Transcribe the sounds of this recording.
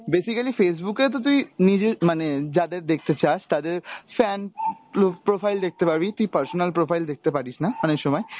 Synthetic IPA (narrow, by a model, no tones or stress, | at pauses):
besikalifes̬buket̪ot̪̬uinid͡ʑemaned͡ʑad̪eɾd̪ek̚ʰt̪et͡ɕaʃt̪ad̪eɾfɛn | pɾofajld̪ek̚t̪epaɾbit̪uipɐɾsonalpɾofʰajld̪ek̚t̪epaɾiʃnamaneʃɔmɔe